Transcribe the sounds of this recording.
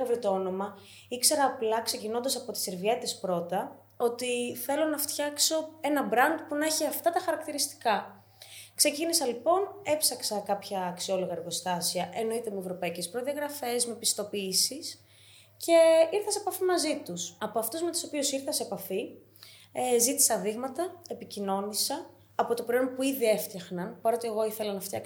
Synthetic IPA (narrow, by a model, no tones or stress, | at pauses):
ɐvɾit̪oo̞no̞mɐ | ikse̞ɾɐːplɐkse̞cino̞nd̪ɐsɐpo̞t̪i̥seɾviɐt̪ispɾo̞t̪ɐ | o̞t̪iθe̞lo̞nɐft̪çɐkso̞e̞nɐbɾɐnd̪punɐeçiɐft̪ɐt̪ɐxɐɾɐkt̪iɾist̪i̥kɐ | kse̞cinisɐlipo̞ne̞psɐksɐkɐpçɐːksio̞lo̞ɣɐeɾɣo̞st̪ɐsiɐʔe̞no̞it̪e̞mue̞vɾo̞pɐice̞spɾoðiɐɣɾɐfe̞zme̞pist̪o̞piːsis | ce̞iɾθɐsepɐfimɐzit̪usɐpoɐft̪uzmet̪u̥so̞piosiɾθɐseepɐfi | zit̪i̥sɐðiɣmɐt̪ɐe̞picino̞nisɐː | po̞t̪o̞pɾonpuiðie̞ft̪ɐxnɐnpɐɾo̞t̪eeɣo̞iθelɐnɐft̪çɐ̰k